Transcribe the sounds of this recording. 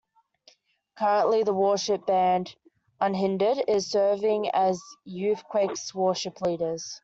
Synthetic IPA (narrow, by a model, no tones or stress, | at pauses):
kʰʌɹə̃nʔliðəwɔːˑʃɪp̚b̥æ̃nd | ʌ̃nɦɪ̃ndɪɾɪz̥sɜːvɪ̃ŋəzjʉˑθkʰw̥ɛɪkswɔːˑʃɪpʰliːɾəz̥